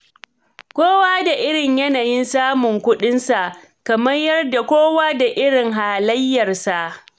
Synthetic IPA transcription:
kʷoː˦waː˦da˨ʔɪ˦ɽɪ˨ɲjɐ˦naː˨jɪ˦nsaː˦mʊ˨ŋkʷʊ˦ɗɪ˦nsa˨ʔ | kɐ˨mɐ˦rjɐ˦rda˨kʷoː˦waː˦da˨ʔɪ˦ɽɪ˨ŋɦaː˨lɐ˦jːɐ˨rsa˨ʔ

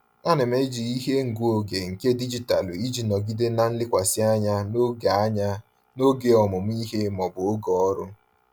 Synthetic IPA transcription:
a˦nɪ˨me˦d͡ʒi˨i˦ɦe˦ŋ̩˨ɡu˦o˨ɡe˨ŋ̩˨ke˦di˦d͡ʒi˨ta˨li˦d͡ʒi˨nɔ˨ɡi˦de˦na˦n̩˦lɪ˦kʷa˨sɪ˦a˦ɲa˦no˦ɡa˨a˦ɲa˦ | no˦ɡe˨ɔ˨mʊ˨m˦i˦ɦe˦mɔ˨bʊ˨o˦ɡɔ˨ɔ˦ɾʊ˦

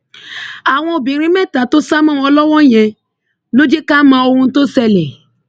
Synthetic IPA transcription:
a˨w̃ɔ̃˧o˨bĩ˨˦ɾĩ˦mɛ˦ta˨to˦sa˦mã˦wɔ˧˦lɔ˦wɔ̃˦˨jɛ̃˨˧ | lo˦d͡ʒe˦ka˦mã˧o˧wũ˧˦to˦sɛ˧le˨

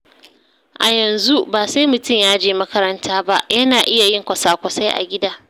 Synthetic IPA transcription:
ʔa˨jɐ˨nzu˦baː˨se˦mʊ˨tʊ˦˨mjaː˦d͡ʒeː˨mɐ˦kɐ˦ɾɐ˦ntʰaː˦ba˦ʔjɐ˦naː˨ʔɪ˦ja˨jɪ˦ŋkʷɐ˨saː˨kʷɐ˨sa˦jʔa̰˨ɡʲɪ˦daː˦

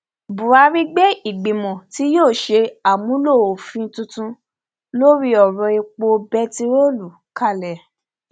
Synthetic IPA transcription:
bu˨a˧˦ɾi˦ɡ͡bɛ˦i˨ɡ͡bĩ˨mɔ̃˨ti˦joː˦˨ʃe˧a˨mũ˨˦lo˦˨o˨fĩ˦tũ˧tũ˧ | lo˦ɾi˦ɔ˨ɾɔ̃˧i˧k͡po˧bɛ˦ti˧ɾo˦lu˨ | ka˦˨lɛ˨

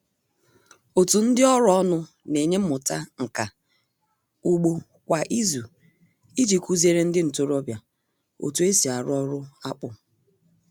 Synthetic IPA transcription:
o˨tu˨n̩˦dɪ˦ɔ˦ɾʊ˦ɔ˦nʊ˦ | ne˨ɲe˦m̩˦mʊ˨ta˦ŋ̩˨ka˨ | u˦ɡ͡bo˦ | kʷa˨ʔi˦zu˨ | i˦d͡ʒi˨ku˦zi˦e˦ɾe˦n̩˦dɪ˦n̩˨to˦ɾɔ˦bja˨ | o̰˨tu˨e˦si˨a˨ɾʊ˦ɔ˦ɾʊ˦a˦k͡pʊ˨

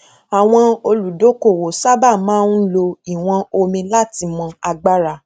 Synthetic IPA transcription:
a˨w̃ɔ̃˧o˧lu˨do˨˦ko˦˨wo˨sa˦ba˦˨mãː˦n̩˦lo˧i˨w̃ɔ̃˧o˧mĩ˧la˦˨ti˧mɔ̃˧a˧ɡ͡ba˦ɾa˧

